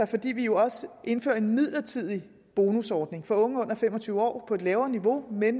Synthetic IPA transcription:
ɑfɒ̽d̥ḭːʋijo̝ɒ̽səʔe̝nfø̰ɐe̝nmið̰ˠlɐt͡sʰið̞̰ˠi | b̥o̝ːnusɒːd̥ne̝ŋfɒ̽ɔ̽ŋəɔ̽n̰ɐfem̰ɒ̽t͡sʰyːʊəɒ̰ːpʰɒ̽e̝d̥lɛːʊɐːniʋo̝men

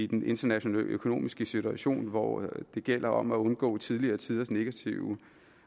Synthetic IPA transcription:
id̥ene̝nd̥ɐnæɕo̝nɛ̰ːlø̰kʰo̝no̝̰ːmisɡ̥əsit͡sʰuæɕo̝̰ːnʋɒ̰d̥e̝ɡ̥el̰ɐɒ̽m̰æɔ̽nɡ̥ɔ̰̽ːt͡sʰið̞ˠliɐːt͡sʰið̞ˠɐsne̝ɡ̥æt͡sʰiʊ

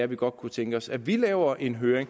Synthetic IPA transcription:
æʋiɡ̥ɒ̽d̥̚kʰut͡sʰeŋɡ̥əɒ̽sæʋilɛːʊɐʔe̝nɦøːɐeŋ

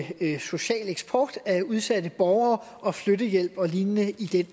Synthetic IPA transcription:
so̝ɕɛ̰ːleɡ̥sb̥ʰɒːd̥æuð̞ˠsæd̥əb̥ɒʊɐːʔɒ̽flødəjel̰b̥ɒ̽liːnənəʔid̥en

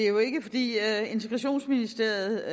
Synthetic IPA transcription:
e̝æjo̝e̝ɡ̥əfɒ̽d̥ḭːe̝nt͡sʰeɡ̥ʁɑɕo̝̰ːnsminisd̥e̝ɐ̰ð̩ˠ

